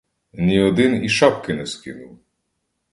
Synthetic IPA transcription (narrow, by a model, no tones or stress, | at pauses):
nʲiɔd̪ɪniʃapkɪnɛskɪ̰nʊw